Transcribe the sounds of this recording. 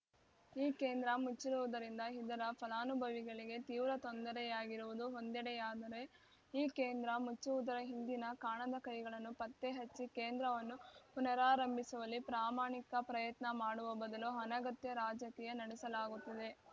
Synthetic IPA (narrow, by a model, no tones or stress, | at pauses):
iːkeːnd̪ɾɐmut͡ʃːiɾuʋud̪ɐɾind̪ɐɦid̪ɐɾɐpʰɐlaːnubʱɐʋiɡɐɭiɡe̞t̪iːʋɾɐt̪ond̪ɐɾɛjaːɡiɾuʋud̪uɦond̪ɛɽɛjaːd̪ɐɾe̞ | iːkeːnd̪ɾɐmut͡ʃːuʋud̪ɐɾɐɦind̪inɐkaːɳɐd̪ɐkɐjɡɐɭɐnːupɐt̪ːeɦɐt͡ʃːikeːnd̪ɾɐʋɐnːupunɐɾaːɾɐmbʱisuʋɐlːipɾaːmaːɳikɐpɾɐjɐt̪nɐmaːɽuʋɐbɐd̪ɐluɦɐnɐɡɐt̪jɐɾaːd͡ʒɐkiːjɐnɐɽɛsɐlaːɡut̪ːɐd̪e̞